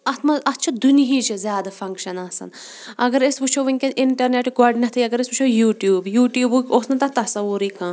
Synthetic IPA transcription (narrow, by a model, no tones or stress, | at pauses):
ɐt̪ʰmɐɐt̪ːt͡ʃʰɐd̪uniɦiːt͡ʃizʲjaːd̪ɐfɐ̃ŋkʃɐnɐːsɐ̰n | ɐɡɐɾesbut͡ʃʰoʋɐnʲkʲenʔɪɳʈɐɾneːʈɡaɖnʲɐt̪ʰiɐɡɐɾesbut͡ʃʰojuːʈjuːbjuːʈjuːbukʲoːsnɐt̪ɐt̪ɐsɐʋuɾiːkãː